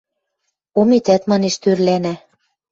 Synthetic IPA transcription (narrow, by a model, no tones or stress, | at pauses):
omit̪æt̪mɑneʃt̪øɾlænæ